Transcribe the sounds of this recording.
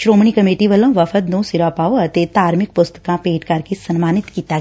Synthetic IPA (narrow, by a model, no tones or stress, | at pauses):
ʃɾoːmɳ̃ikɐmeːʈiʋəlõʋɐfət̪nõsɪɾapaːoɐt̪et̪aːɾmɪk̚pʊst̪ə̥kãpeːʈkɐɾkesɐnmaːnɪt̪kiːt̪aɡɛ